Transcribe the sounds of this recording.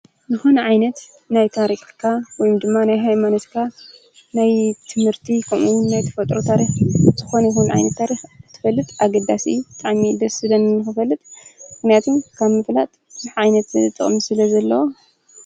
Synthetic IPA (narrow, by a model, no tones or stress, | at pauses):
nɨxunʕajnɐt̪ | najt̪ʰaɾixkʰːawɔjumd̪ɨmːanajɦajmanɐt̪kʰa | najt̪ʰɨmhɨɾt̪ʰikʰɐmʔuwʊnːajt̪ʰɐ̥fɐt̪ʼɾot̪ʰaɾixt̪ʰɨxo̞nɐjxunʕa̰jnɐt̪ːʰaɾixɨt̪ʰːɨ̥fɐlːɨt̪ʼaɡɐd̪asɨ̰jːubɨt̪ʼaʕmid̪ɐsɨd̪ɐnɨnːɨxɨfɐlːɨt̪ʼmmɨxnijat̪ʰunkʰaβmɨflat̪ʼzɨħʕajnɐt̪ɨɨt̪ʼːɨ̰χʼmisɨlɐzɐlːɐwo